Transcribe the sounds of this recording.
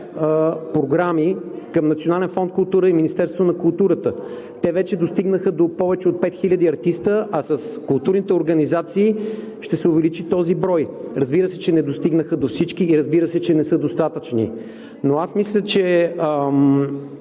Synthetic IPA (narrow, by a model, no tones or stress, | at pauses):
pɾoɡɾami | kɐmnɐt̪sionalʲɛnfɔnt̪̚kʊlˠt̪uɾəiminist̪ɛɾst̪vonɐkʊlˠt̪uɾət̪ə | t̪ɛvɛt͡ʃɛd̪ost̪iɡnəxəd̪opɔvɛt͡ʃɛot̪̚pɛt̪xilʲəd̪iɐɾt̪ist̪əʔɐsəskʊlˠt̪uɾnit̪ɛoɾɡɐnizat̪siː | ʃt̪ɛsɛʊvɛlit͡ʃit̪ɔzibɾɔjɾəzbiɾəsɛt͡ʃɛnɛd̪ost̪iɡnəxəd̪ofsit͡ʃkiːɾəzbiɾəsɛt͡ʃɛnɛsɤd̪ost̪at̪ət͡ʃnḭ | noasmislʲət͡ʃɛə